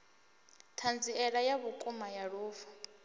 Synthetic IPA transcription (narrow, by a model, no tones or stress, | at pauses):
tʰand͡ziɛɺajaβukʼumajaɺuːfɔ̥